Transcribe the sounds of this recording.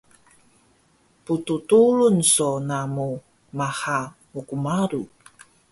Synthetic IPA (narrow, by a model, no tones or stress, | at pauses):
pututulunsonamu | mahamukumaɾu